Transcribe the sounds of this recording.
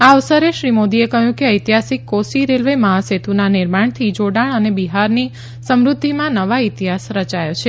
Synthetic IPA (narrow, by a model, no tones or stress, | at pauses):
aʋsəɾeʃɾimod̪iekəɦjũkeəjt̪iɦasikːosiɾelʋeməɦaset̪unanɪɾmaɳ̃t̪ʰid͡ʒoɽaɳənebiɦaɾni | səmɾud̪ʱːimãnəʋait̪iɦasɾət͡ʃajot͡ʃʰe